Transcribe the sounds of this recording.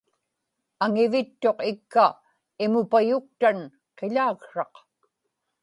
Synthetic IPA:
aŋɪvɪt̪ːo̞qɪkːa | ɪmʊpajʊk̚t̪an | qeʎaːɣʂɑq

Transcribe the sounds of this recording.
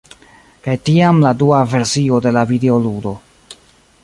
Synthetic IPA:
kajtiamladuave̞ɾsio̞de̞lavideo̞ludo̞

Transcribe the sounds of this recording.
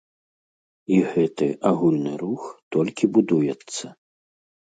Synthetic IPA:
iɣɛt̪ɨ̰ʔaɣulʲnɨɾuxt̪ɔlʲkʲibud̪ujɛt̪sːɐ

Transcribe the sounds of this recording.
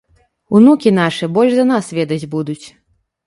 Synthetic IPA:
unukʲinaʂɨɛbɔlʲʐzɐnasvʲɛd̪ɐd͡zʲbud̪ut͡sʲ

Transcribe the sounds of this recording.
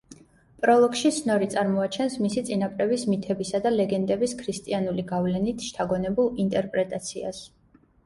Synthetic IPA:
pʼɾɔlˠɔkʃit̪sʰnɔɾit̪sʼaɾmɔat͡ʃʰɛnsmisit̪sʼinapʼɾɛbismit̪ʰɛbisad̪alɛɡɛnd̪ɛbiskʰɾist̪ʼianuliɡavlɛnit̪ʰʃt̪ʰaɡɔnɛbulˠint̪ʼɛɾpʼɾɛt̪ʼat̪sʰia̰s

